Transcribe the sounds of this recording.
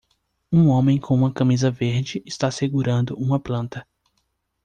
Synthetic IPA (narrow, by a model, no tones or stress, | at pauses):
ũõmẽj̃kʰõũmɐkɐ̃mizɐveɾd͡ʒɪʔɪst̪aseɡuɾɐ̃nd̪ʊũmɐplɐ̃nt̪ɐ